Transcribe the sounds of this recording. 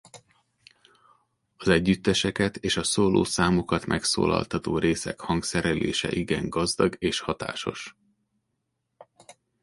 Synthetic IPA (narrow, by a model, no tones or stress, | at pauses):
ɒzɛɟːyt̪ːɛʃɛkɛt̪eːʃɒsoːloːsaːmokɒt̪mʔɛkso̰ːlɒ̰lt̪ɒt̪oːɾeːsɛkhɒŋksɛɾɛlʔḛːʃɛ̰ʔiɡɛŋɡɒzd̪ɒɡeːʃhɒt̪a̰ːʃo̞ʃ